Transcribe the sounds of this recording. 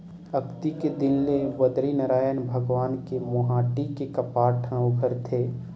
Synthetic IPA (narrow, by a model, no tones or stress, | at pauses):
ɐkt̪iked̪ɪnlebəd̪ɾinəɾaːjənbʱəɡʋaːnkemʊɦaːʈikekɐpaːʈʰə̃wɡʱəɾt̪ʰeː